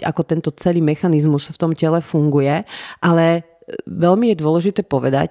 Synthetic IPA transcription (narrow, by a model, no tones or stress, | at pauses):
a̰kɔt̪ɛnt̪ɔt͡sɛliːmɛxanizmusft̪ɔmcɛlɛfuŋɡujɛʔalɛ | ʋɛlmijɛd̪ʊɔlɛʒit̪ɛːpɔʋɛd̪a̰